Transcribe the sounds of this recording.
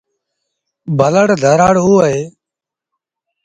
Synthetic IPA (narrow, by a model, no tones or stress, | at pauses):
bʱələɽd̪ʱəɾaːɽuːɦeː